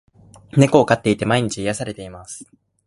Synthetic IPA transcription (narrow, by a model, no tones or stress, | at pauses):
ne̞ko̞ːkat̪ːe̞it̪e̞maiɲ̟it͡ɕiijasaɾe̞t̪e̞imasɨ̥